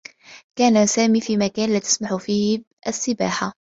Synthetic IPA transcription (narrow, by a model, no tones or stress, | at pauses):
kæːnasæːmifimækæːnlæt̪ə̥smaħufiːh | ʔsːɪba̰ːħa